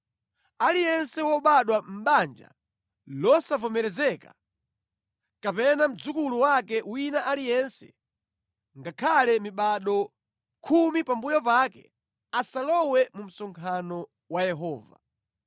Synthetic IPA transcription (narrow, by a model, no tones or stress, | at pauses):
alijɛnsɛwɔɓaɗwam̩ɓand͡ʒa̰ | lɔsavɔmɛɾɛzɛka | kapɛnam̩d͡zukuluwakɛwinaʔalijɛnsɛ̥ | ŋɡakʰalɛmiɓaɗɔ | kʰumipambujɔpakɛ | asalɔwɛmum̩sɔŋkʰanɔ | wajɛɦɔːva̰